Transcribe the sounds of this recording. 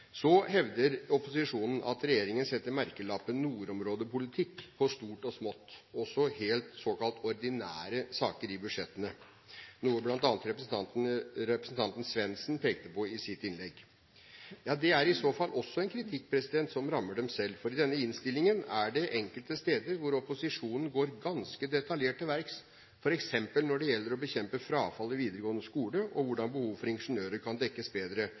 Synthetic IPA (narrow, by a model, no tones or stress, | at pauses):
sɔhɛʋd̪əɾɔpʊsɪʂuːnn̩ʔɑ̰t̪ɾɛjeːɾɪŋənsɛt̪ːəɾmæɾkəlɑpənːuːɾɔmɾoːd̪əpʊlɪt̪ʰɪkːpʰɔst̪uːʈɔsmɔt̪ːɔsɔheːlt̪soːkɑlt̪ʰɔɾd̪ɪnæːɾəsɑːkəɾɪbʉd̪ʂɛt̪ːənə | nuːəblɑnt̪ɑːnət̪ɾɛp | ɾɛpɾəsn̩t̪ɑnt̪n̩sʋɛnsnpʰeːk̚t̪əpɔɪsɪt̪ɪnlɛɡ | jɑːd̪ɛæɾɪsoːfɑlːʔɔsːɔɛnkʰɾɪt̪ʰɪk̚ːpʰɾɛsɪd̪ɛnt̪sɔmɾɑmːəɖɛmsɛlːfɔɾɪd̪ɛnːəɪnst̪ɪlɪŋənæɖɛʔɛŋkəlt̪əst̪eːd̪əɾʋʊɾɔpʊsɪʂuːnən̩ɡoːɾɡɑnskəd̪ɛt̪ɑljeːʈəʋæɾks | fɔɾɛksɛmpəlnɔɖɛjɛlːəɾɔbəçɛmpəfɾɑːfɑlːɔʋiːd̪əɾəɡoːnəskuːləʔɔʋʊɖɑnbəhuːʋfɔɾɪnʂənøːɾəɾkʰɑnd̪ɛkːəsbeːd̪ɾə